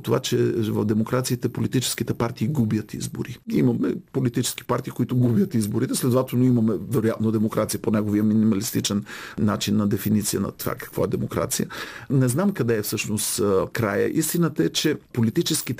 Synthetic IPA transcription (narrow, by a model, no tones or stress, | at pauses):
t̪ovat͡ʃɛvɐvd̪ɛmokɾat̪siit̪ɛpolit̪it͡ʃɛ̥sk̟it̪ɛpaɾt̪iːɡubjət̪ḭzbo̰ɾiimɐmɛpolit̪it͡ʃɛ̥sk̟i̥paɾt̪iːkoit̪ʊɡubjət̪izboɾit̪ɛslɛd̪ovat̪ɛlˠnoimɐmɛvɛɾojat̪nod̪ɛmokɾat̪sijəponɛɡoviəminimɐlist̪it͡ʃɛnnat͡ʃinːɐd̪ɛfinit̪sijənɐ̰t̪ova̰kɐ̥kvɔɛd̪ɛmokɾa̰t̪sijə̰nɛznamkɐd̪ɛːfsɤʃnost̪kɾajə̰ʔist̪inət̪əɛt͡ʃɛpolit̪it͡ʃɛsk̟it̪